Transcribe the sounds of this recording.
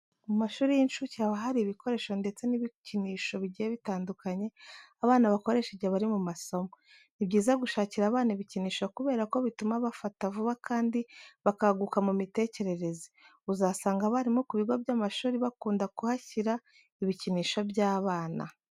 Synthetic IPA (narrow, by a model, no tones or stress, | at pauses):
umaʃuːɾijinʃucaβaɦaɾiβiko̞ɾe̞ːʃo̞nde̞t͡se̞niβiciniːʃo̞βiɟijeβitaːndukaɲe̞aβaːnaβako̞ɾe̞ʃeɟeβaɾimumaso̞mo | nibɟiːzaɡuʃaːciɾaːβaːnaiβiciniːʃokuβe̞ːɾako̞βitumaβafatavuβakʰaːndiβakaɡukamumite̞ːce̞ɾe̞ɾe̞zi̥ | uzasaːŋɡaβaɾimokuβiɡo̞bɟamaʃuːɾiβakuːndakuhaciɾa | iβiciniːʃo̞bjaːβaːna̰